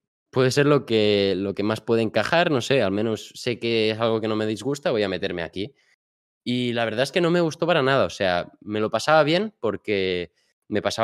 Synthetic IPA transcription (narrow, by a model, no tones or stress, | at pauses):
pwe̞ðe̞se̞ɾlo̞kelo̞ke̞maspwe̞ðeːŋkaxaɾno̞se̞almẽ̞nosːe̞kees̬alɣ̞o̞ke̞no̞me̞ðizɣust̪aβo̞jame̞t̪e̞ɾme̞̰a̰ki | ilaβ̞eɾð̞aeske̞no̞me̞ɣ̞ust̪o̞paɾanað̞ao̞se̞ame̞lo̞pasaβaβ̞je̞npo̞ɾke̞ | me̞pasa